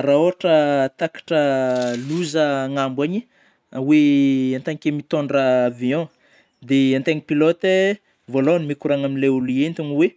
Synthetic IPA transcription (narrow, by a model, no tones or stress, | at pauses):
ɾaoɦaʈ͡ʂət̪akḁʈ͡ʂəluzəŋambwaɲi | aweãnt̪aɲikemit̪oɳɖ͡ʐaːviɔ̃ | d̪eãnt̪eŋipilot̪e | volonimikuɾaŋaminleuluient̪iniwe